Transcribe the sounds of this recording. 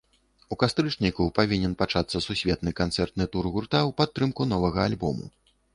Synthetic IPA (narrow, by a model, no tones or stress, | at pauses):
ukast̪ɾɨt͡ʂnʲikupavʲinʲɛnpat͡ʂat̪sːɐsusʲvʲɛt̪nɨkant̪sɛrt̪̚nɨt̪urɣurt̪awpat̪ːɾɨmkunɔvɐɣɐalʲbɔ̰mṵ